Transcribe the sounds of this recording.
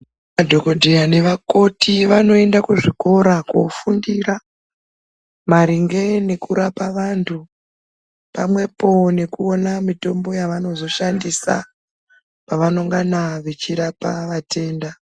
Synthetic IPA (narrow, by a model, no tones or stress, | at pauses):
madʱo̞ko̞dʱeane̞ʋako̞tʰiʋano̞e̞ndakuʐiko̞ɾakofundiɾa | maɾiŋɡe̞ne̞kuɾapaʋantʰu | pamwe̞po̞ne̞kuo̞namito̞mbo̞jaʋano̞zo̞ʃandisa̰ | paʋano̞ŋɡanaʋet͡ʃiɾapaʋatʰe̞ːnda